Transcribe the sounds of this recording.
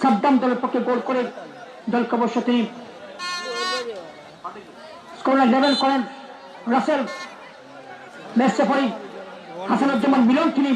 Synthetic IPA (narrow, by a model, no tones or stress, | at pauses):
sab̚d̪amd̪ɔloɾpokʰːeɡolkoɾe | d̪ɔlkoboʃːot̪ini | skonalebenkɔɾen | ɾasel | mesefɔɾi | hasanod͡ʑɔmonmilont̪ini